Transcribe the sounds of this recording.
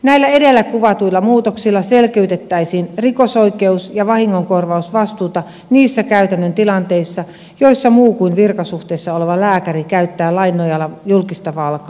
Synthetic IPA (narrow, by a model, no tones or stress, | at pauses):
næilːæedelːækuʋɑt̪uilːˑɑmuːt̪oksilːɑselkeyt̪et̪ːæisiːnrikosoikeusjɑʋɑhiŋːoŋkorʋɑusʋɑst̪uːt̪ɑ | niːsːækæyt̪ænːønt̪ilɑnt̪eisːɑ | joisːɑmuːkuinʋirkɑsuht̪eːsːɑoleʋɑlæːkærikæyt̪ːæːlɑinːˑojɑlːɑjulkist̪ɑʋɑlkɑː